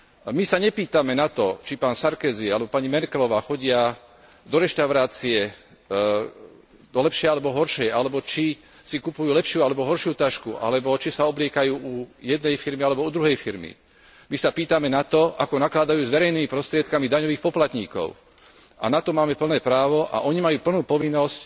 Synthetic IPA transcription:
misaɲɛpiːt̪amɛnat̪ɔt͡ʃipaːnsaɾkɛːzialɛbɔpaɲimɛɾkɛlɔʋaːxɔɟɪa | d̪ɔɾɛʃt̪aʊɾaːt͡siɛ | d̪ɔlɛpʃɛjalɛbɔɦɔɾʃɛjalɛbɔt͡ʃi | sikupujuːlɛpʃɪualɛbɔɦɔɾʃɪuːt̪aʃkuʔa̰lɛbɔt͡ʃisaɔblɪɛkajuːʔujɛd̪̚nɛjfiɾmialɛbɔud̪ɾuɦɛjfiɾmḭ | misapiːt̪amɛnat̪ɔakɔnaklad̪ajuːzʋɛɾɛjnimipɾɔst̪ɾɪɛt̪̚kamid̪aɲɔʋiːxpɔplat̪ɲḭːkɔ̰ʊ | a̰nat̪ɔmaːmɛpl̩nɛːpɾaːʋɔʔa̰ʔɔɲimajuːpl̩nuːpɔʋinːɔsc

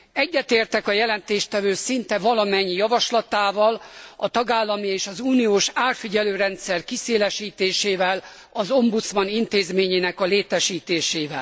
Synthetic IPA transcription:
ɛɟːɛt̪eːrt̪ɛkɒjɛlɛnt̪eːʃt̪ɛvøːsint̪ɛvɒlɒmɛɲːijɒvɒʃlɒt̪aːvɒlɒt̪ɒɡaːlːɒmieːʃɒzuːnioːʃaːrfiɟɛløːɾɛnt̪sɛrkiseːlɛʃiːt̪eːʃeːvɛl | ɒzo̞mbut̪smɒnint̪eːzmeːɲeːnɛkɒleːt̪ɛʃiːt̪eːʃeːvɛ̰l

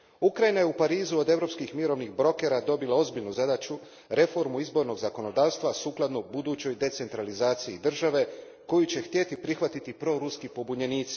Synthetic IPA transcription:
ukɾajinaje̞upaɾiːzuo̞d̪e̞ʋɾo̞pskixmiɾo̞ʋnixbɾo̞ke̞ɾad̪o̞bilao̞zbiʎnuzad̪at͡ɕu | ɾe̞fo̞ɾmuizbo̞ɾno̞ɡzako̞no̞d̪aːʋst̪ʋasuːklˠad̪nubud̪uːt͡ɕo̞jd̪e̞t̪se̞nt̪ɾalizaːt̪siid̪r̩ʒaʋe̞ | ko̞jut͡ɕe̞xt̪je̞t̪ipɾixʋat̪it̪ipɾo̞ɾuskipo̞buɲe̞niːt̪si̥

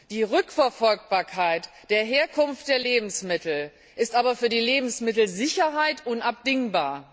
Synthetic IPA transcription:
d̥iːʁʏkfɛɐfɔlk̚b̥aːɐkʰaɪt | d̥eːɐɦeːɐkʰʊnft̚d̥eːɐleːbm̩smɪtl̩ | ʔɪstʔaːbɐfyːɐdiːleːbm̩smɪtl̩zɪçɐɦaɪtʔʊnap̚d̥ɪŋbaːɐ

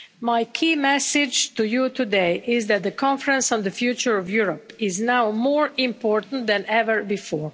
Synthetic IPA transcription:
majkʰiːmɛsɪd͡ʒt̪ujut̪ʰudeɪʔɪzðæt̪̚ðəkʰɔ̃nfɹə̃nsn̩dðəfjut͡ʃə˞ɔvjuɹɔpɪznawmɔɹɪ̃mpʰɔɹt̪n̩t̪̚d̪ɛ̃nɛvəɹbifɔːɹ

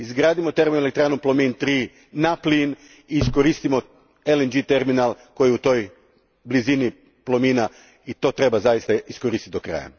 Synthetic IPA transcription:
izɡɾaːd̪imot̪e̞ɾminoelek̚t̪ɾaːnuplˠomint̪ɾi | naplin | iːskoɾist̪imo̞ | elend͡ʒit̪e̞ɾminalˠko̞jiut̪o̞j | blizini | plˠomina | it̪o̞t̪ɾe̞bazajist̪aisko̞ɾist̪it̪d̪o̞kɾa̰ːja̰

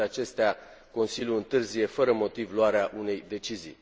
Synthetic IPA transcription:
at͡ʃe̞st̪ea | ko̞nsiljuɨnt̪ɨrzije̞fəɾəmo̞t̪ivloaɾeaʔune̞jd̪e̞t͡ʃizḭj

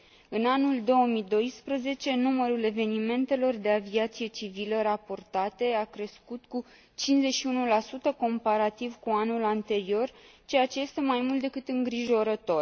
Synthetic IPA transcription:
ɨnanuld̪o̞omid̪o̞jspɾəze̞t͡ʃe̞numəɾule̞ve̞nime̞nt̪e̞lo̞rd̪e̞aviat̪sije̞t͡ʃiviləɾapo̞rt̪at̪e̞akɾe̞skut̪ku | t͡ʃinze̞ʃiunulasut̪əko̞mpaɾat̪ivkuanulant̪e̞ɾio̞rt͡ʃe̞jat͡ʃe̞je̞st̪e̞majmult̪d̪ekɨt̪ɨŋɡɾiʒo̞ɾət̪o̞r

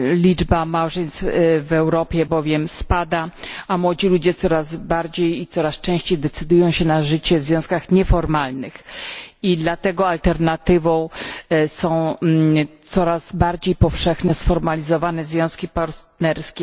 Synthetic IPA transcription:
lʲid͡ʐbamawʐɛɲst̪fvɛwɾɔpʲjɛbɔvʲjɛmspad̪aamwɔd͡ʑilud͡ʑɛt̪sɔɾazbaɾd͡ʑejit̪sɔɾast͡ʂɛ̃w̃ɕt͡ɕejd̪ɛt̪sɘd̪ujɔ̃w̃ɕɛnaʐɘt͡ɕɛvzvʲjɔ̃w̃skaxɲɛfɔɾmalnɘxid̪lat̪ɛɡɔalt̪ɛɾnat̪ɘvɔ̃w̃sɔ̃w̃ | t̪sɔɾazbaɾd͡ʑejpɔfʂɛxnɛsfɔɾmalʲizɔvanɛzvʲjɔ̃w̃skʲipaɾt̪nɛɾskʲɛ

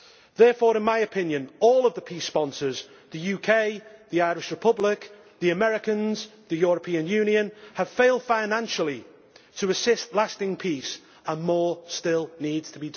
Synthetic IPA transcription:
ðɛːfɔːɹɪ̃nmaɪɨpʰɪ̃njə̃nɔːlˠəvðəpʰiˑspɒ̃nsə˞z | ðəjʉːkʰeɪðiaɪɹɪʃɹɨpʰʊblɪk | ðiəmɛɹɪkə̃nz̥ðɨjɔɹəpʰĩə̃njʉ̃ːnjə̃nəv̥feɪlˠd̥fãɪnãnʃəl̩ˠi | tʰəəsɪstˡlastɪ̃ŋpʰis | ə̃nmɔːɹstɪlˠniːdz̥tʰəbid

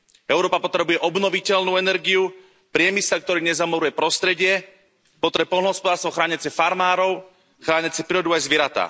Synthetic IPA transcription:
ɛʊɾɔːpapɔt̪ɾɛbujɛʔɔbnɔʋicɛlnuːɛnɛɾɡiu | pɾɪɛmisɛlk̚t̪ɔɾiːɲɛzamɔɾujɛpɾɔst̪ɾɛɟɪɛ | pɔt̪ɾɛpɔlnɔɦɔspɔd̪aːɾst̪ʋɔxɾaːɲat͡sɪɛfaɾmaːɾɔʊ | xɾaːɲat͡sɪɛpɾiɾɔd̪uajzʋɪɛɾat̪a̰ː

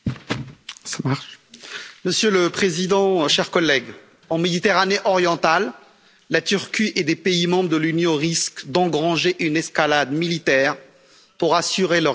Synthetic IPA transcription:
samaʁʃ | məsjøləpχezid̪ɑ̃ʃɛʁkɔlːɛɡ | ɑ̃med̪it̪eʁaneʔɔʁjɑ̃t̪alː | at̪yʁkʲiʔed̪epeimɑ̃bʁəd̪əlynjɔ̃ʁiskd̪ɑ̃ɡʁɑ̃ʒeʔynɛskalad̪milit̪ɛːʁ | puʁasyʁelœʁ

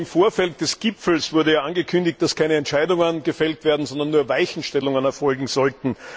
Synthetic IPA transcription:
ɪmfoːɐfɛlt̚d̥ɛsɡ̥ɪpp͡fl̩sv̥ʊɐɾəjaːʔanɡəkʰʏndɪç̚t̚d̥askʰaɪnəɛntʃæɪdʊŋənɡəfɛltv̥eːɐdn̩zɔndɐnːuːɐvaɪçn̩ʃtɛlʊŋənɛɐfɔlɡŋ̩zɔltn̩

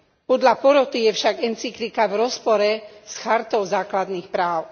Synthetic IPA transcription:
pɔd̪ʎapɔɾɔt̪ijɛfʃaɡɛnt͡sikɾikavɾɔspɔɾɛsxaɾt̪ɔʊzaːklad̪nixpɾaːʊ

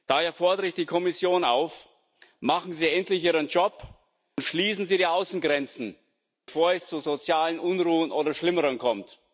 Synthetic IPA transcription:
d̥aːheːɐfɔɐdəʁɪçd̥iːkʰɔmɪsjoːna̰ʊf | maχn̩ziːɛntlɪçʔiːʁənd͡ʒɔp | ʊntʃliːsn̩ziːɾiːaʊsn̩ɡʁɛnt͡sn̩ | befoːɐɛst͡suzot͡sjaːlənʔʊnʁuːənʔoːɾɐʃlɪməʁənkʰɔmt

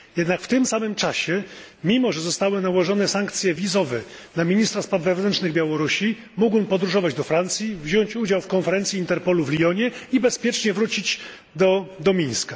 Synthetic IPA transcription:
jɛd̪nakft̪ɘmsamɘmt͡ʂaɕɛmʲimɔʐɛzɔst̪awɘnawɔʐɔnɛsaŋkt̪sʲjɛvʲizɔvɛnamʲiɲist̪ɾaspad̪vɛvnɛnt͡ʂnɘɣbʲjawɔɾuɕi | muɡwɔnpɔd̪ɾuʐɔvad͡ʑd̪ɔfɾant̪sʲjivʑɔɲt͡ɕud͡ʑawfkɔnfɛɾɛnt̪sʲjiint̪ɛɾpɔluvlʲiɔɲɛibɛspʲjɛt͡ʂɲɛvɾut͡ɕid͡ʑ | d̪ɔd̪ɔmʲĩɲska

